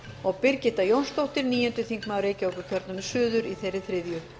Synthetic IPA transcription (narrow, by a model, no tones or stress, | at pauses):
ɔɣpɪɾcɪt̪ajownst̪owht̪ɪɾniːjɛnt̪ʏθiŋkmawɾeːjcɪoːwkʏcʰœɾt̪nʏmsʏːðʏɾiθejrːɪθɾɪðjʏ